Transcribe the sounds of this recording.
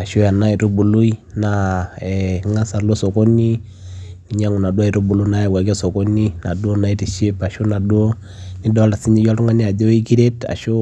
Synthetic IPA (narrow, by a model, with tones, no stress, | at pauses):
a˨ʃo˦ja˨na˦i˨to˦bu˨lu˦i˦na˨ɛ˨ŋa˦sa˨lo˦sɔ˨ko˦ni˦ | ki˨˦ɲa˦ŋu˨na˨du˦a˦i˨ɾo˦bu˨lu˦na˦ɛ˨wa˨kɛ˦sɔ˨kɔ˦ni˦na̰˨do˦na˨i˦ti˨ʃi˦pa˨ʃu˦na˨du˦o˦ | ni˦dɔ˦la˨si˦ɲi˦ja˦tu˦ŋa˦ni˦a˨d͡ʒo˦i˦ki˦ɾe˦ta̰˨ʃo˦